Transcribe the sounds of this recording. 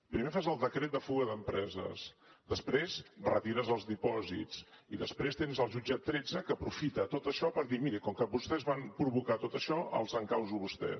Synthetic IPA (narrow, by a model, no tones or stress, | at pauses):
pɾimefazəlˠd̪əkɾet̪̚d̪əfuɣəðəmpɾɛzə̰sd̪əspɾezrə̰t̪iɾəzəlˠzðipɔzḭt͡siðəspɾest̪enzəlˠʒud͡ʒat̪ːɾɛd͡zəkəːpɾufit̪ət̪ot̪əʃɔpəɾðimiɾikɔŋkəbust̪ɛzβampɾuβukat̪ot̪əʃɔʔə̰lˠzəŋkawzuβust̪ɛ̰